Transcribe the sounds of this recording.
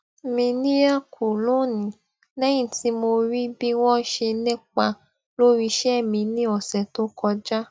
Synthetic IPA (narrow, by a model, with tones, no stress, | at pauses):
mĩ˧nĩ˦a˦˨ku˨lo˦˨nĩ˨˦ | lɛ˦j̃ĩ˦˨ti˧˦mo˧ɾi˦bi˦w̃ɔ̃˦ʃe˧nɛ̃˦k͡pa˧ | lo˦ɾi˧ʃɛ˦˨mĩ˧nĩ˦ɔ˨sɛ˨to˦kɔ˧d͡ʒa˦